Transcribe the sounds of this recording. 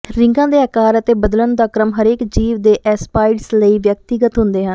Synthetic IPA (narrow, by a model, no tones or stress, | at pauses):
ɾɪ̃ŋɡãːd̪eːəːkaːɾət̪eːbəd̪lənd̪aːkɾəmɦəɾeːkd͡ʒiːʋd̪eːʔɛːspaːɪɖsləiːʋjək̚t̪ɪɡət̪ɦʊ̃nd̪eːɦən